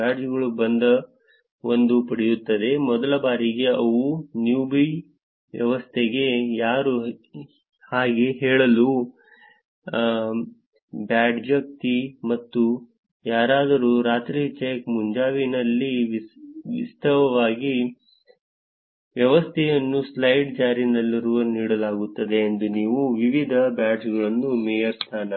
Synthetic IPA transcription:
aːɖd͡ʒuɡɐɭubɐnd̪ɐ | o̞nd̪upɐɽejut̪ːɐd̪e̞mɔd̪ɐlɐbaːɾiɡe̞ɐʋunjuːbij | ʋjɐ̰ʋɐst̪ʰeɡe̞jaːɾu | haːɡeɦɛːɭɐlu | baːɖd͡ʒɐk̚t̪imɐt̪ːu | jaːɾaːd̪ɐɾuɾaːt̪ɾiːt͡ʃekmuɲd͡ʒaːʋinɐlːiʋʋḭst̪ʰɐʋɐʋaːɡi | ʋjɐʋɐst̪ʰɛjɐnːuslɐjɖd͡ʒaːɾinɐlːɾuɐniːɽɐlaːɡut̪ːɐd̪e̞ːnd̪uniːʋuʋiʋid̪ʱɐbaːɖsɡɐɭɐnːumeːjɐɾst̪ʰaːnɐ

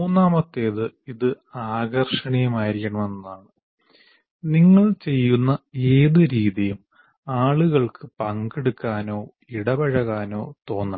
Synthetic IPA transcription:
muːnːaːmɐt̪ːe̞ːðɨiðɨ | aːɡɐrʂɐɳɐjɐmaːjiɾikʲːɐɳɐme̞nːɐðaːɳɨ | niŋːɐɭt͡ɕe̞jːunːɐe̞ːðɨɾiːðijum | aːɭuɣɐɭkʰɨpɐŋɡeɽukːaːno̞ː | iɽɐbɐɻɐɣaːno̞ːt̪o̞ːnːɐ

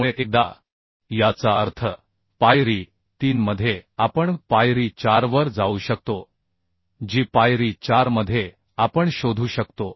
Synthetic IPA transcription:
muɭekek̚d̪a̰ | jat͡saəɾt̪ʰə | pajɾiː | t̪iːnməd̪ʱjeapəɳpajɾiːt͡ɕaɾʋəɾd͡zauːɕək̚t̪o | d͡ʑiːpajɾiːt͡ɕaɾməd̪ʱːje | apəɳɕod̪ʱuːɕəkt̪o

